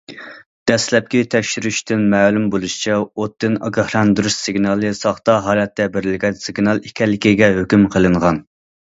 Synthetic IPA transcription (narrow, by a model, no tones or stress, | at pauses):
d̪̥ɛslɛp̚kʲit̪ʰɛkʲʃyɾyʃt̪ɪnmɛːlumbolˠuʃi̥t͡ʃʰɛot̪ːɨnɑ̰ɡɑhlˠɑnd̪ɨɾuʃsɪɡnɑlˠɨsɑχt̪ɑɦɑːlˠɛt̪ʰːɛbeɾɪlɡʲɛnsɪɡnɑlˠikʲʰɛlːɪkʲiɡʲɛɦøkʲymqʰəlˠɨɴʁɑn